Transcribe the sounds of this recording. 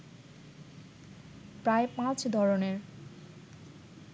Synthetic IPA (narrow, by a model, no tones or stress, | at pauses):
pɾaepãt͡ɕʰd̪ʱɔɾoneɾ